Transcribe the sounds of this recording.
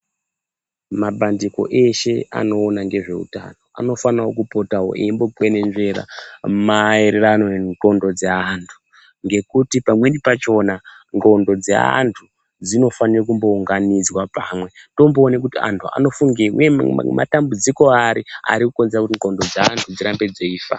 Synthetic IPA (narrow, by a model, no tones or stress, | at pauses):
mabʱandiko̞̰ʔe̞ʃe̞a̰no̞ːnaŋɡe̞ʐe̞̰ṵta̰no̞a̰no̞fanawokupo̞tawo̰ʔḛimbo̞ɡwene̞nʐe̞ɾa̰maeɾe̞ɾanoŋɡo̞ndo̞d͡zeantʰu̥ | ŋɡe̞kutipamwenipat͡ʃo̞na | ŋɡo̞ndo̞d͡zḛa̰ntʰu | d͡zino̞fanirakumbo̞uŋɡanid͡zwapaːmwe̞to̞mboːnek̬utia̰ntʰua̰no̞fuŋɡewṵjḛma̰tambud͡ziko̞aɾia̰ɾikukonzeɾakutiŋɡo̞ndo̞d͡zaantʰud͡ziɾambe̞d͡zeiːfa̰